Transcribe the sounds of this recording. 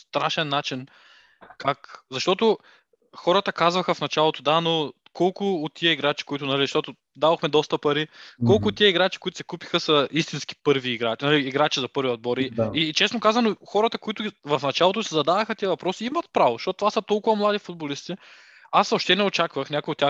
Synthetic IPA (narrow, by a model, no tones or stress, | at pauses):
st̪ɾaʃɛnːat͡ʃin | kʰakzɐʃt̪ɔt̪ʊ | xɔɾət̪əkazvɐxəfnɐt͡ʃalˠot̪ʊd̪ano | kɔlˠkʊːt̪ːiɐiɡɾat͡ʃi̥koit̪ʊnɐlizʃt̪ɔt̪ʊ | d̪avoxmɛd̪ɔst̪ɐpɐɾikɔlˠkʊt̪t̪ːiəiɡɾat͡ʃikoit̪ʊ̥sɛ̥kupi̥xəsɐist̪insk̟i̥pɤɾviːɡɾat͡ʃnɐliːɡɾat͡ʃizɐpɤɾviod̪̚bɔɾiit͡ʃɛsnokazvɐnoxɔɾət̪əkoit̪ʊɡʲivɐfnɐt͡ʃalˠot̪osizɐd̪avɐxət̪iəvɐpɾɔsiimɐt̪̚pɾavozʃt̪ɔt̪t̪vasɐt̪ɔlˠkʊvɐmlˠad̪ifʊd̪̚bolist̪i | asoʃt̪ɛnɛot͡ʃakvəxnʲakoʊot̪ʲːa